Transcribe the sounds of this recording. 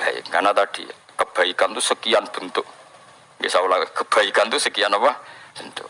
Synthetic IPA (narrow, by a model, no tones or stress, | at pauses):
b̥a̰j̰ŋanat̪ad̥ḭ | kəb̥a̤ikant̪usəkianb̥ənt̪ʊʔ | ɡisaulakəb̥aikant̪usəkianapab̥ənt̪ʊʔ